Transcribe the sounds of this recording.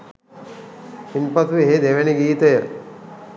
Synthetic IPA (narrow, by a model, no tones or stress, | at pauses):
inpɐt̪uʋeɦed̪eʋeniɡiːt̪əjə